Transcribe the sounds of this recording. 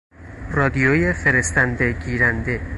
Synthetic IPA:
rɒːd̪ijojefe̞ɾe̞st̪ænd̪e̞ɟiːɾænd̪e̞

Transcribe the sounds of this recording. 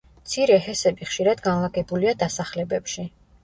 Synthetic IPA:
mt̪sʰiɾɛɦɛsɛbiχʃiɾad̪ɡanlˠaɡʼɛbuliad̪asaχlɛbɛpʃi

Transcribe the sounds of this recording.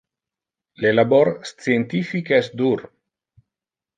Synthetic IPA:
lelaboɾst͡sient̪ifikeɛsd̪uɾ

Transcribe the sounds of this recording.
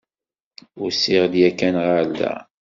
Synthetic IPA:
ʊɾsɪʁd̪jækːænʁadæ̰

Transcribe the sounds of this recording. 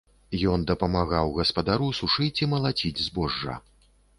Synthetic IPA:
jɔnd̪ɐpɐmaɣawɣɐspɐd̪aɾusuʂɨt͡sʲimɐlˠat͡sʲid͡zʲzbɔʐːɐ̰

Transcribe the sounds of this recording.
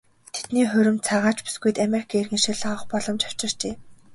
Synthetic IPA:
t̪ʰe̥t̪niːχɵɾɵ̆mt͡sʰaʁaːt͡ɕpu̥sɡujt̪ameɾi̥kʰaːirɣɘ̆nʃiɮaə̆χpɔɮɞ̆mt͡ɕḁw̥t͡ɕɪ̆r̥t͡ɕeː

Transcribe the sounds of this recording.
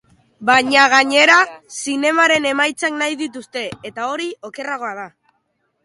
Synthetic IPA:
baɲaɣ̞aɲe̞ɾasine̞maɾe̞ne̞majt͡saknajðit̪ust̪e̞et̪ao̞ɾio̞ke̞raɣo̞aða

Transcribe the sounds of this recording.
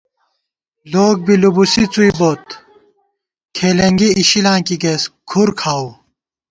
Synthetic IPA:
loːɡ̚bilubusit͡suiboːt̪ | kʰeːleŋɡiːɕilãːkiɡeskʰuɾkʰaːw

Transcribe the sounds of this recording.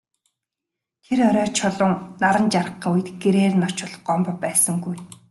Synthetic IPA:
t̪ʰeɾɔɾʲɔːt͡ɕʰɔɮʊːŋnaɾə̆nt͡ɕarə̆χiːŋujɘ̆t̪ɡeɾeːrɘ̆nɔ̥t͡ɕʊ̆ɮɞ̥̆χɢɔmpɞpæːsə̆ŋɡuj

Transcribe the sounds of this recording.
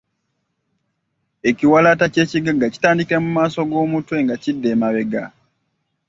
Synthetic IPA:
e̞ciwalatace̞ːciɡaɡaci̥taːndikiɾamumaːso̞ɡo̞ːmutwe̞ːŋɡacidːeːmaβe̞ɡa̰

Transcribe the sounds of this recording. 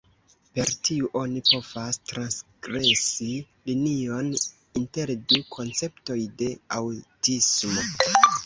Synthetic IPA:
pe̞ɾtʰiuʔo̞nipo̞v̥astɾansɡɾe̞si | linio̞n | inte̞ɾdukʰo̞nt͡se̞pto̞jde̞awtismo̞

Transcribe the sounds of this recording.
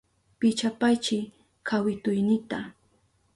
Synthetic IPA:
pɪt͡ʃapajt͡ʃɪ | kʰawɪt̪ʊjnɪt̪a

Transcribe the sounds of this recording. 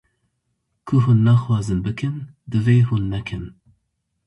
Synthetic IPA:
kʰuɦunːɑxwɑːzɨnbɨkʰɨn | d̪ɨveːɦunːɛkʰɨn

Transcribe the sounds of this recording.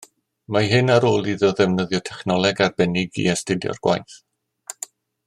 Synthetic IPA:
maɦɨnaɾoːlˠiðɔðɛvnəðjɔtʰɛχnɔlˠɛɡarbɛnɪɡḭastɪdjɔ̰rɡ̥wa̰jθ

